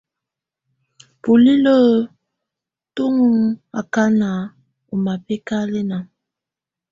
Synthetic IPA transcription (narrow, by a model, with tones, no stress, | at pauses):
pu˨li˦lə˦ | tu˦ŋ˦a̰˨ka˦na˨ | u˨ma˨pe˦ka˦le˦na˨ŋ